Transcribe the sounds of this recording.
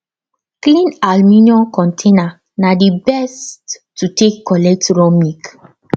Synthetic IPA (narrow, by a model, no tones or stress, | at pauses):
klĩnalminiɔ̃nkʰɔ̃ntʰena | nadibɛsttːutekʰːɔlɛk̚tɹɔmik